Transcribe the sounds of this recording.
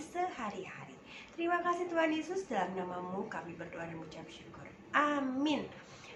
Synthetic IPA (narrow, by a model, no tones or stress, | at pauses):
səhaɾiha̰ɾḭ | t̪əɾimakasiht̪uɦanjesʊsdalamnamamukamibərdoadimut͡ʃapʃukʊ̰r | ʔamɪn